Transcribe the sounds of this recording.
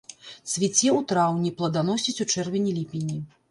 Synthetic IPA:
svʲit͡sʲɛwt̪ɾawnʲiplˠɐd̪anɔsʲit͡sʲut͡ʂɛrvʲɛnʲilʲipʲinʲːi

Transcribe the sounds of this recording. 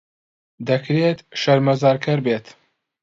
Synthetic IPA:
d̪ɐkɾeːt̪ʃɐɾmɐzɑːɾkʰɐɾbeːt̪

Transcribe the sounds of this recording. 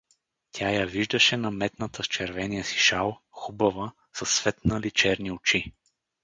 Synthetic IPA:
t̪ʲʰajaviʒd̪ɐʃɛnɐmɛt̪nət̪əst͡ʃɛɾvɛnijəsi̥ʃalˠxubɐvə | sɐsːvɛt̪nəlit͡ʃɛɾniʊt͡ʃi

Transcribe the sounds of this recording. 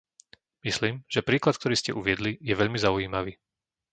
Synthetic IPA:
misliːmʒ̥ɛpɾiːklat̪̚k̚t̪ɔɾiːscɛʔuʋɪɛd̪lijɛʋɛʎmizaujiːmaʋiː

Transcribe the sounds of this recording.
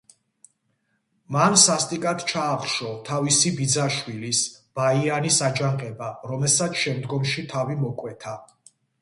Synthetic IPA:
mansast̪ʼikʼat̪t͡ʃʰaːχʃɔt̪ʰavisibid̪zaʃwilisb̥aianisad͡ʒaɴqʼɛbaɾɔmɛlsat̪sʰʃɛmd̪ɡɔmʃit̪ʰavimɔkʼwɛt̪ʰa

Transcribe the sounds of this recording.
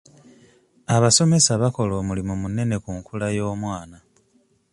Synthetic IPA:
aβaso̞me̞saβako̞lo̞ːmulimumune̞ne̞kuŋkʰulajo̞ːmwaːna

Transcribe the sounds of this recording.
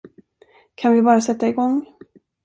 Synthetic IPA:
kʰanvɪbɑːɾasɛt̪ːaɪɡɔŋː

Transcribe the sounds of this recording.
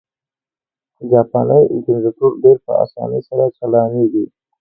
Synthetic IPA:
d͡ʒɑpɑnəjkɪnzat̪uɾɖeɾpə̰a̰sɑ̰nəsaɾat͡ʃalɑneɡi

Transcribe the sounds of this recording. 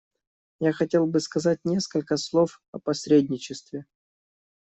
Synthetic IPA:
jaxɐtʲe̞lˠbɨskɐzat̚ʲnʲe̞skəlʲkəslˠof | ɐpɐsʲɾʲedʲnʲɪt͡ɕɪst̪vʲɪ

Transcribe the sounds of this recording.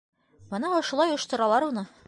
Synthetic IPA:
bɤ̆nɑŏʃulˠɑjŏʃt̪ɤ̆ɾɑlˠɑɾunɤ

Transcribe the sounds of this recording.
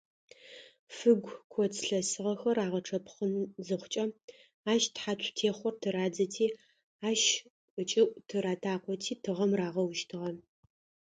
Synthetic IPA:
fɨɡʷkʷʰɔt͡sʰɬɐsɨʁɐxɐraːʁɐʈ͡ʂʰɐpʰχənzɨχʷt͡ʃʼɐ | aːʃtħatʷʰtʰeːχʷɔrtʰɨɾaːd͡zɐtʰiː | aːʃʼ | ɨt͡ʃʼɪʔʷʼtʰɨɾaːtʰaːqʷɔtʰiːtʰɨʁɐmraːʁɐwʃtʰɨʁɐ

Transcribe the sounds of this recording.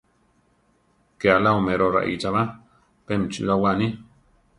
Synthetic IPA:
kealaomẽɾoɾa̰ʔḭt͡ʃaβa | pemt͡ʃṵɾawanĩ

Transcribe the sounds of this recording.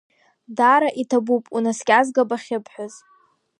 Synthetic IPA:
daɾaʔitʰabupʼunaskʲʼazɡabaχʲɪpʰħʷᶣʊz

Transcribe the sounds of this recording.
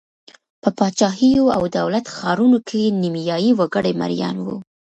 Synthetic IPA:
pəpɑt͡ʃɑɦijoa̰wd̪awlat̪xɑɾunokʰenimjɑjiwaɡəɽema̰ɾjɑ̰nwṵ

